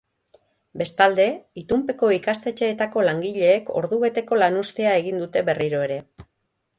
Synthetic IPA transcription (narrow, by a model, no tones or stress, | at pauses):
be̞st̪ald̪e̞it̪umpe̞ko̞ikast̪e̞t͡ʃe̞ːt̪ako̞laŋɡiʎe̞ːko̞̰ɾðuβe̞t̪e̞ko̞lanust̪eae̞ɣ̞ind̪ut̪e̞βe̞riɾo̞e̞ɾe̞